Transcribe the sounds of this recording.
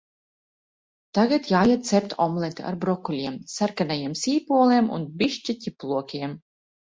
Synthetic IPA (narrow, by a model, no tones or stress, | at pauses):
t̪aɡat̪jaːjat̪̚t̪sɛpt̪ɔmlˠɛt̪ʲḭʔa̰ɾbɾɔkulʲiɛmsaɾkanajiɛmsiːpuɔlˠiɛmṵnbʲiʃt͡ʃit̪ʲiplˠuɔkʲiɛm